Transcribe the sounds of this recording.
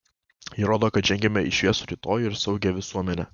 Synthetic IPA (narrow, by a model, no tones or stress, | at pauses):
jɪɾoːd̪oːkɐt̪d͡ʒʲʒʲɛŋʲɡʲɛmʲɛɪʃʲʋʲiɛsʊɾʲiːt̪oːjɪɾsɒʊɡʲɛʋʲɪsuɔmʲɛnʲɛ